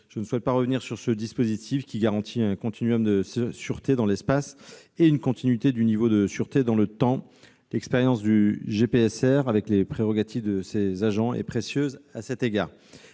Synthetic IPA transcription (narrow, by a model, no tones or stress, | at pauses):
ʒ̥ənəswɛt̪̚paʁəvniʁsyʁsəd̪ispozit̪ʰifkʲiɡaʁɑ̃t̪ʰiɛ̃kɔ̃t̪ʰinɥɔmd̪əssyʁt̪ed̪ɑ̃lɛspas | eynkɔ̃t̪ʰinɥit̪ed̪ynivod̪əsyʁt̪ed̪ɑ̃lət̪ɑ̃ | lɛkspeʁjɑ̃sd̪yʒepeɛsɛʁavɛklepχeʁɔɡat̪ʰivd̪əsezaʒɑ̃ḛpχesjøzasɛt̪eɡaːʁ